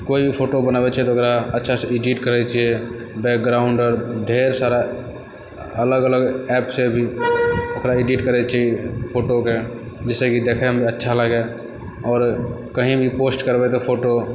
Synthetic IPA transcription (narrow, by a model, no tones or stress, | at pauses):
koːipʰoːʈobənaːʋet͡ʃaɦet̪okɾaətːʃʰaseɪɖiʈkəɾet͡ʃaːɦie | bɛːk̚ɡɾaːʊ̃ɳɖɔːɾɖʱeːɾsaːɾa | ələɡələɡɛːpsebʱiɐkɾaɪɖiːʈkəɾet͡ʃaɦiepʰoːʈoke | d͡ʒɛsekid̪eːkʰeɦmbʱiətːʃʰaləɡe | ɔːɾ | kəɦĩbʱipoːsʈkəɾbet̪̬opʰoːʈo